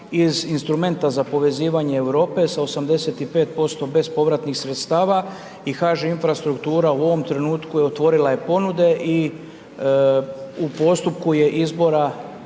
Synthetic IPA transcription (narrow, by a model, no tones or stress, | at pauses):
izinst̪ɾume̞nt̪azapo̞ʋe̞ziːʋaɲeːʋɾo̞ːpe̞saosamd̪e̞se̞t̪ipe̞ːt̪̚po̞st̪o̞be̞zpo̞ʋɾat̪nixsɾet̪st̪aːʋa | ixaːʒeinfɾast̪ɾukt̪uːɾauo̞ʋo̞mt̪ɾe̞nuːt̪kujeot̪ʋo̞ɾilaje̞po̞nud̪e̞ʔi | upo̞st̪up̚kuje̞ʔizbo̞ɾa